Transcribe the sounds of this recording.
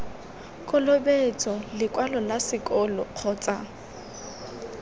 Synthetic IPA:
kʼɔlobet͡sʼɔlɪkʼwalɔlasɪkʼɔlɔq͡χʰɔːt͡sʼa

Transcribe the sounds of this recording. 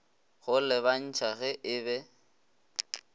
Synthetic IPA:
ɣʊlɛβan̩t͡ʃʰaɣɛʔɪbɛ

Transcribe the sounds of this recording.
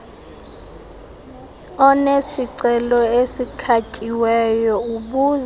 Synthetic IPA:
ɔnesiǀɛlɔesikʰacʼiwɛjɔuɓuz

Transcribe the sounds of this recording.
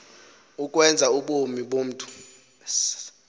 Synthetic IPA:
uk̬ʼwɛnd͡zʱauɓomiɓom̩ːtʼu̥

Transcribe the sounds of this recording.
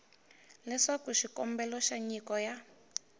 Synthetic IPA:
lɛʂakuʃikɔmbɛlɔʃaɲikɔja

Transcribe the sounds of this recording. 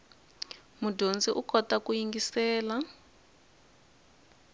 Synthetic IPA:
mudʱond͡ziʔukʰɔtakujiŋɡisɛːla

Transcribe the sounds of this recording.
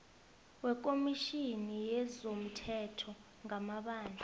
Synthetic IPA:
wɛk̬ʼomiʃinijɛzom̩tʰɛtʰɔ | ŋamaɓaːnd͡ɮʱa

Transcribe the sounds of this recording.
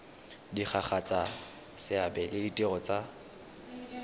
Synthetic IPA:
dik͡xʰaχʰat͡sʼa | sɪabɛlɪditʼeɣɔt͡sʼa

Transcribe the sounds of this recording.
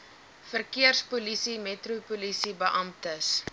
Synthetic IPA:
fərkiərspulisimɛtrupulisibəʔɐmtəs

